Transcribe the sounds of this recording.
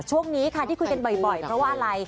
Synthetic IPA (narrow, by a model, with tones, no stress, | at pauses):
t͡ɕʰu˥˩əŋniː˦˥kʰa˥˩iː˥˩ku˧jka˧nbɔ˨˩jbɔ˨˩jpʰɾɔ˦˥waː˥˧ʔa˧ɾa˧j